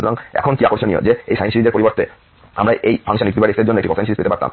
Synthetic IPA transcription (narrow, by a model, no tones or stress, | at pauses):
ut̪oɾaŋɛ̰kʰonkiakoɾʃonio̰d͡ʑeḛjʃajnʃiɾid̪eɾpoɾiboɾt̪e | a̰mɾaʔejfʰaŋʃanikt̪ibaɾed̪eɾd͡ʑonːoeʈikɔajnsiɾispetepaɾt̪a̰m